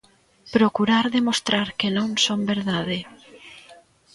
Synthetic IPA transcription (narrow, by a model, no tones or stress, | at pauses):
pɾokuɾaɾðemost̪ɾaɾkenõŋsombeɾðaðe